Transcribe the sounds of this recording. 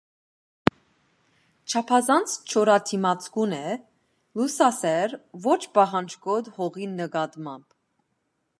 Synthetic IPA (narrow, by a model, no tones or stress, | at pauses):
t͡ʃʰɑpʰɑzɑnt͡sʰt͡ʃʰɔɾɑt̪ʰimɑt͡sʰkunɛ | lusɑsɛɾvɔt͡ʃʰbɑɦɑnt͡ʃʰkɔd̪hɔʁinəɡɑt̪mɑmb